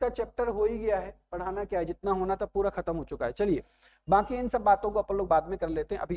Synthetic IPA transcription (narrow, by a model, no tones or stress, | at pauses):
kat͡ʃɛːp̚ʈəɾɦoːiɡɐjaɦɛːbɐɽ̤aːnakjaːɛd͡ʒɪt̪naɦoːnat̪apuːɾaxɐt̪əmɦot͡ʃʊkaɦɛt͡ʃɐlieː | baːkiɪnsɐbːaːt̪õkoɐpnẽloːɡbaːd̪mẽkɐɾleːt̪eɦɛ̃ʔɐ̰bʱi